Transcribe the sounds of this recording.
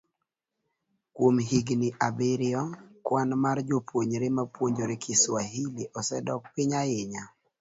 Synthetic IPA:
kwomɦiɡnɪʔabeɾɪɔkwanmard͡ʒopwoɲɾɪmapwoɲd͡ʒoɾɪkʰɪswaɦiliʔɔsɛdɔk̚pɪɲajɪɲa

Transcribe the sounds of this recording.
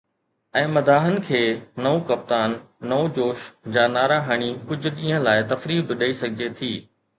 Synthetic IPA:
ɛ̃ːmɐd̪ʱaːɦənɪ̆kʰeːnɐukɐp̚t̪aːnː | ɐud͡ʑoːʃd͡ʑaːnaːɾaːɦɐɽ̃ikʊd͡ʑʱʊ̆ĩːɦə̃laːɪt̪ɐfɾiːbɪɗəisɐɡʱɪd͡ʑet̪ʰiː

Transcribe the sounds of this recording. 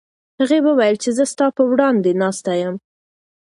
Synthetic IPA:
haɣewəwajəlt͡ʃezəst̪ɑpəwɽɑnd̪enɑst̪ajəm

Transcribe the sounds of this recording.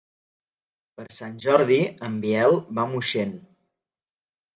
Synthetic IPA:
pəɾsanʲʒɔɾðiəmbiɛlˠβamuʃen

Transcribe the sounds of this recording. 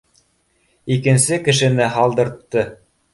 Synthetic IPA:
ikɘ̆nsɘkɘ̆ʃɘ̆nɘɦɑlˠd̪ɤ̆ɾt̪ːɤ

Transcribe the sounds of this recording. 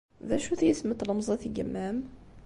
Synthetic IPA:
ðæʃuθæjəsmət̪ɾˤɑmzˤɑθiɡəmːæm

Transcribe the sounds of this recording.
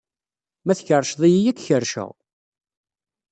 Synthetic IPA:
mæθçərˤːʃðˤijijækːçəɾʃə̰ʁ

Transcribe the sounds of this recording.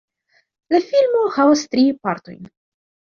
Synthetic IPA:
lafilmohavastɾipaɾto̞̰jn

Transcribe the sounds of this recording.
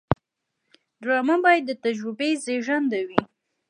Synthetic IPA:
dɾɑmabɑjad̪ːət̪ad͡ʒɾʊbezeʒand̪awi

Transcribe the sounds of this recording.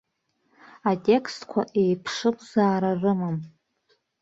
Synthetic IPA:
atʼe̞kʰstkʷʰa̰ʔe̞jpʰʂɨpʼzaːɾarɨmɨm

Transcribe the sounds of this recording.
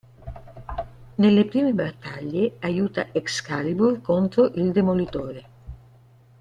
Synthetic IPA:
nelːepɾiːmebat̪ːaʎːeajuːt̪a̰ʔekskaliburkont̪ɾoʔild̪emolit̪oːɾe

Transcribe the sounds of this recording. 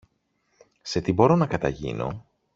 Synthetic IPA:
se̞t̪ibo̞ɾo̞nɐkɐt̪ɐʝḭno̞̰

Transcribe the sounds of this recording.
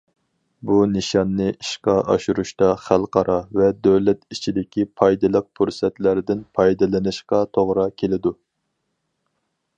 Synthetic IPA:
bunɨʃɑnːɨiʃqɑʔɑ̰ʃuɾuʃt̪ɑχælˠqɑɾʔɑvɛd̪øwlɛt̪it͡ʃʰid̪ɪkʲipʰɑjd̪ɨlˠəq̚pʰuɾsɛt̪læɾɪd̪ɪnpʰɑjd̪ɨlɪnɨʃqɑt̪ʰoʁɾɑkʲʰelɪd̪u

